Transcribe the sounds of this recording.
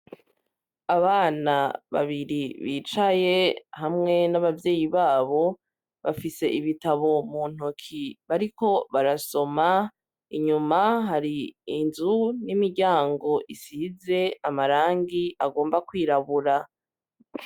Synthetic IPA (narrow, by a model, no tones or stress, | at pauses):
aβaːnaβa̰βiɾiβiːt͡ʃaje̞hamŋe̞naβavje̞ːjiβaːβo̞ | βafise̞ʔiβitaβo̞muːn̥okʰiβaɾiko̞βaɾaso̞ma | iɲumaɦaɾiːnzunimiɾɟaːŋɡo̞ʔisize̞amaɾaːŋɡiaɡo̞ːmbakwiːɾaβuɾa